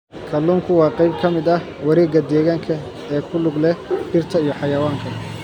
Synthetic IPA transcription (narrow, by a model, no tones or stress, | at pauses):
kʰɐluːŋkʰʊwɑːqɑjb̚kʰɐmɪd̪ɐh | wɐɾɛːɡɐd̪ɛːɣaːŋkʰɐ | ɛːkʰʊlʊɡlɛɖɪrt̪ʰɐijɔħɑjɐwaːŋkʰɐ